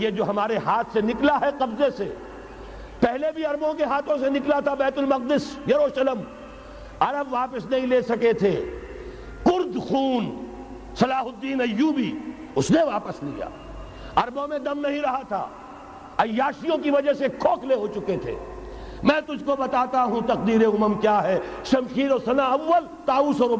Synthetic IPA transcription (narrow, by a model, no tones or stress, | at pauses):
jed͡ʒoːɦɐmaːɾeɦaːt̪ʰsenɪklaɦɛqɐbzese | pɛɦlebʱiɐɾbõkeɦaːt̪ʰõsenɪklat̪ʰabɛːt̪ʊlmɐq̚d̪ɪsjɐɾoʃɐləm | ɐɾəbʋaːpəsnɐɦĩleːsɐket̪ʰe | kʊɾd̪xuːn | sɐlaːɦʊd̪ːiːnɐjːuːbi | ʊsneʋaːpəslḭja̰ː | ɐɾbõmẽd̪ɐmnɐɦĩɾɐɦat̪ʰa̰ː | ɐjjːaːʃijõkiʋɐd͡ʒəsekʰoːkʰleɦot͡ʃʊket̪ʰḛː | mɛ̃ːt̪ʊd͡ʒʱkobɐt̪aːt̪aɦũt̪ɐq̚d̪iːɾeʊməmkjaːɦɛː | ʃɐmʃiːɾɔːɾsɐnaɐʋːəl | t̪aːuːsɔːɾʊm